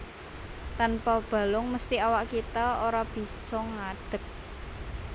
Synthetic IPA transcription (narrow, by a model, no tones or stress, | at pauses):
t̪anpɔb̥ä̤lʊŋməst̪iawaʔkit̪aoɾab̥i̤sɔŋaɖ̪̥ə̤k̚